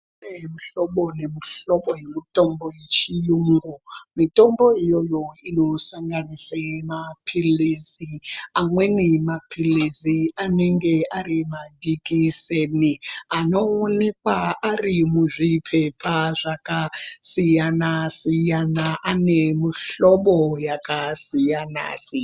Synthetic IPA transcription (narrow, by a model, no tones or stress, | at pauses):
nemuɬoɓone̞miɬoɓojemito̞mbojet͡ʃijuŋɡomito̞mbo̞ijojo̞ino̞saŋɡanisamapʰiliziamwe̞nimapʰiliziane̞ŋɡe̞aɾimadikisenianoːnek̚waarimuʐipʰepʰaʐakasijanasijanaʔanemuɬoɓojakasijana̰ːsi